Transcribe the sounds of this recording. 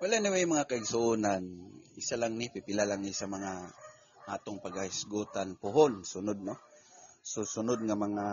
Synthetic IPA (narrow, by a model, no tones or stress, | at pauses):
walanɪwijmaŋakaɪɡsʊʔuːnanɪsalaŋnɪpɪpɪlalaŋnɪsamɐŋa | ʔaːt̪oŋpaɡahɪsɡuːt̪anpʊɦonsʊnʊd̪̚no | sʊsʊnʊd̪̚ŋamɐŋa